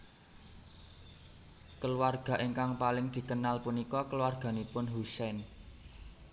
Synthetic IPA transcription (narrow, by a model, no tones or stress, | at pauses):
kəluwarɡ̥ä̤ʔeŋkaŋpalɪŋd̪̥i̤kənalpunikɔkəluwarɡ̥a̤nipʊnɦusɛn